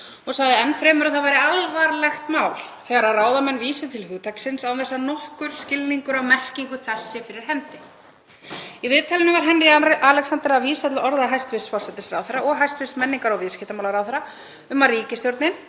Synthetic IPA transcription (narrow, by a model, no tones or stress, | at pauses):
ɔɣsaɣðɪɛnːfɾɛːmʏɾaθavajɾɪalvaɾlɛxt̪maːwlθɛːɣaɾaraːwðamɛnːviːsɪt̪ʰɪlɦʏːt̪ʰaksɪnsawnɛsːanɔhkʏɾ̥scɪlniŋkʏɾawmɛr̥ciŋkʏθɛsːɪfɪɾɪɾ̥ɦɛnt̪ɪ | iðɪːt̪ʰalɪnɪvaɾ̥ɦɛnrɪalɛksant̪ɛɾaviːsat̪lɔɾðaɦajst̪vɪst̪fɔlsɛt̪ɪsɾawθɛɾːaʔɔɣɦajst̪vɪst̪mɛnːiŋkaɾɔwvɪðscɪht̪amawlaɾawθɛɾːa | ʏmariːcɪst̪jowɾt̪nɪn